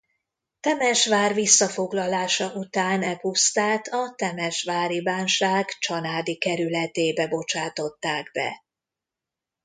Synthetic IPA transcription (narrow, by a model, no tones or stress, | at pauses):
t̪ɛmɛʃʋaːrvisːɒfo̞ɡlɒlaːʃɒʔut̪aːnɛpust̪aːt̪ʰɒt̪ɛmɛʃʋaːɾibaːnʃaːɡt͡ʃɒlaːd̪ikɛɾylɛt̪eːbɛbo̞t͡ʃaːt̪o̞t̪ːaːɡbɛ̰